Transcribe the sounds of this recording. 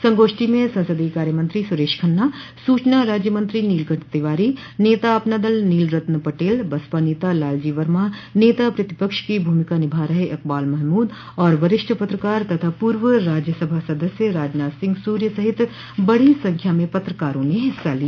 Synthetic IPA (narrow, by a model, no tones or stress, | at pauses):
sɐ̃ŋɡoːʃʈimẽsɐ̃nsəd̪ikaːɾjəmɐ̃nt̪ɾisʊɾeːʃkʰɐnːasuːt͡ʃnaɾaːd͡ʒjəmɐ̃nt̪ɾiniːlɡə̃ɳʈʰt̪eʋaːɾi | neːt̪aɐpnaːd̪əlniːlɾɐt̪nəpɐʈeːlbɐspaneːt̪alaːld͡ʒiːʋɐɾmaneːt̪apɾɐt̪ɪpəkʃkibʱuːmɪkanɪbʱaːɾɐɦeʔɐk̚baːlmɛɦmuːd̪ | ɔːɾʋɐɾɪʃʈʰəpɐt̪ɾəkaːɾt̪ɐt̪ʰapuːɾʋəɾaːd͡ʒjəsɐbʱasɐd̪əsjəɾaːd͡ʒnaːt̪sɪ̃ŋɡsuːɾjəsɐɦɪt̪ | bɐɽ̤isɐ̃ŋkʰjamẽpɐt̪ɾəkaːɾõneɦɪsːalia